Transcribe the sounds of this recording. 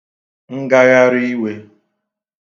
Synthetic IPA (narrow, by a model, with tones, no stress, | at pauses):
ŋ̩˦ɡa˦ɣa˦ɾi˦i˦we˦